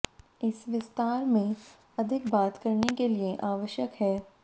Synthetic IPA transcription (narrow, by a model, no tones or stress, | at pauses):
ɪsʋɪst̪aːɾmẽ | ɐd̪ʱɪkbaːt̪kɐɾnekelieʔaːʋəʃjəkɦɛː